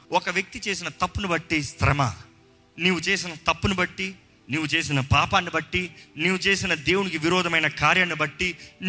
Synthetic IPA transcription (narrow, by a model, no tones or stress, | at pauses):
ɔkɐʋjɐk̚t̪it͡ʃe̞ːs̬inɐt̪ɐpːunubɐʈːist̪ɾɐmɐ̰ | niːwut͡ʃe̞ːsinɐt̪ɐpːunubɐʈːi | niːwut͡ʃe̞ːs̬inɐpaːpaːnːibɐʈːiniːwut͡ʃe̞ːsinɐd̪e̞ːwunikiʋiɾɔːd̪ʱɐmɐjnɐkaːɾjɐɳibɐʈːin